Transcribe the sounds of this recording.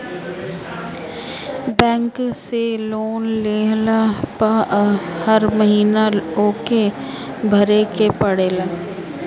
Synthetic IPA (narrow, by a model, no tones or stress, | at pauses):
bɛ̃ːŋkseloːnleːɦlapəhɐɾməɦiːnaoːkebʱɐɾekepɐɽeːlaː